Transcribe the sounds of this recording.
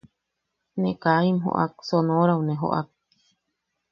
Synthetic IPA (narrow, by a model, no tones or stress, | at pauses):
nekaimɦo̰ʔa̰k̚sonõɾawnẽɦo̰ʔa̰k̚